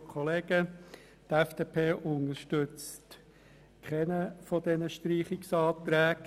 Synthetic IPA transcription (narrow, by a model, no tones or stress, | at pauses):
kʰɔleːɡ̥ə | t̪ɛfd̥eːpʰeːʔʊnəʃtʏt͡st | kʰχɛnəfɔd̥ɛnəʃtɾiːχɪksɑːt̪ɾæːɡ